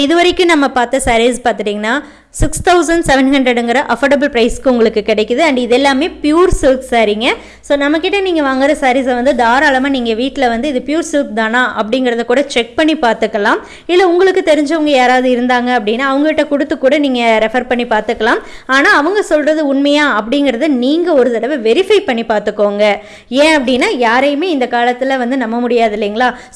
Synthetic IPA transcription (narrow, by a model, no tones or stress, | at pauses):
ɪðɯʋɐɾɐɪkːɯ̃nɐmːɐpaːɾt̪ɐsɐːɾispaːɾt̪ɯʈiːŋɡɐnːaː | sɪkst̪ʰɐʊsɐɳɖsɛʋɛnhɐɳɖɾɐɽɯŋɡɪɾɐʔɐfoɾɖɐbɐlpɾɐɪskɯʊŋɡɐɭɯkːɯkːɪɽɛɪkːɯðɯɐɳɖɯɪðɛlːaːmeːpɪjuːɾsuːksaːɾiŋɡɐ | soːnɐmːɐkːɪʈːɐniːŋɡɐʋaːŋɡɪɾɐsɐɾis̬ɐʋɐnd̪ɯd̪aːɾaːlɐmaːniːŋɡɐʋiːʈːɪlɐʋɐnd̪ɯɪðɯpɪjuːɾsuːk̚d̪aːnãːʔɐpːɐɽɪŋɡɪɾɐðɐkːuːɽɐt͡ʃɛk̚pɐɳːipaːɾt̪ɯkːɐlãːm | ɪlːɐʊŋɡɐɭɯkːɯt̪ɛɾɪɲd͡ʒɐʋɐŋɡɐjaːɾaːʋðɯɪɾɯnd̪aːŋɡɐɐpːɐɽɪnːaːɐʋɐŋɡɐʋɪʈːɐkʊɽɯt̪ːɯkːuːɽɐniːŋɡɐɾɛfɐɾpɐɳːipaːɾt̪ɯkːɐlaːm | aːnaːɐʋɐŋɡɐsɔlrɐðɯʊnmɐjaːɐp̬ːɐɽɪŋɡɪɾɐðɯniːŋɡɐɔɾɯt̪ɐɽɐʋɯʋɛɾɪfɐɪpɐɳːipaːɾt̪ɯkːoːŋɡɐ | ẽːɐpːɐɽɪnːaːjaːɾɐjɯmeːɪnd̪ɐkaːlɐt̪ːɪlʋɐnd̪ɯnɐmːɐmʊɽɪjaːðɪlːiːŋɡɐɭaː